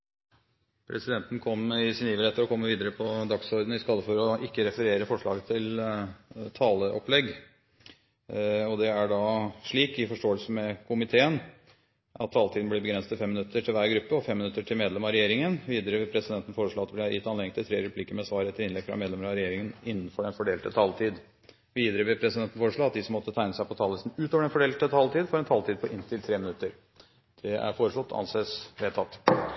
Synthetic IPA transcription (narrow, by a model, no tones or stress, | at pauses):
pʰɾʔɛsɪd̪ɛnt̪n̩kʰɔmɪsɪniːʋəlɛt̪ːəɾɔkʰɔmːəʋiːd̪əɾəpʰɔd̪ɑksɔɾd̪n̩ɪskɑːd̪əfɔɾɔɪkːəɾɛfəɾeːɾəfɔʂɭɑ̰ːɡət̪ʰɪl | t̪ʰɑːləʔɔplɛɡ | ɔd̪ɛæɖɑʂɭiːkɪfɔʂʈoːəlsəmɛkʰʊmɪt̪ʰeːən | ʔɑt̪ʰːɑːlt̪iːd̪nblɛbəɡɾɛnsət̪ɪfɛmːɪnʉt̪ːəʈʰɪlʋæːɾɡɾʉpːəɔfɛmːɪnʉt̪ːəʈʰɪlmeːd̪lɛmɑɾɛjeːɾɪŋənʋiːd̪əɾəʋɪlpʰɾɛsɪd̪ɛnt̪ən̩foːɾəʂɭoːɑt̪ɪb̪lɪɑjɪt̪ːɑneːɡɪŋt̪ʰɪlt̪ʰɾeːɾɛpʰliːkəɾmɛsʋɑːɾəɛt̪ʰːɪlɪnlɛɡfɾɑ̰meːd̪lɛməɾɑɾɛjeːɾɪŋənɪnːənfɔɖɛnfɔɖeːlt̪ət̪ʰɑlt̪ʰiːd̪ | ʋiːd̪əɾəʋɪlpʰɾɛsɪd̪ɛnt̪ən̩foːɾəʂɭoːɑt̪̚d̪ɪsɔmːɔt̪ːət̪ʰæɪnəsæɪpʰɔt̪ʰɑləsn̩ʉːt̪oʋəɖɛnfɔɖeːlt̪ət̪ʰɑlt̪iːd̪fɔɾɛnt̪ʰɑlt̪ʰiːd̪̚pʰɔʔɪnt̪ʰɪlt̪ʰɾeːmɪnʉt̪ːəɾ | d̪̥ɛæ̰ɾfoːɾəʂslɔt̪ːʰɑ̰nseːsʋeːt̪ʰɑt̪ː